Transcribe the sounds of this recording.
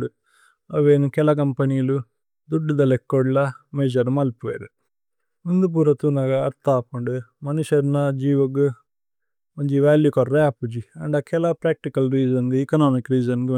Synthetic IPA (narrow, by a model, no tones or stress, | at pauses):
ɖu | ɐʋeːnukɛlɐk̬ɐmpɐniːlu | d̪uɖːid̪ɐlekːɔːɽlɐmeːd͡ʒɐɾmɐlpojɐ̰ɾu | mund̪up̬uːɾɐt̪unɐɡɐɐɾt̪aːpɐɳɖumɐniʂɐɾnɐd͡ʒiːʋɐɡu | mɐɲd͡ʒiʋaːljikɔrːɐɐpːud͡ʒiɐɳɖɐkɛlɐpɾaːk̚ʈikɐlɾiːd͡ʒɐnd̪iːkɐnaːmikɾiːd͡ʒɐnki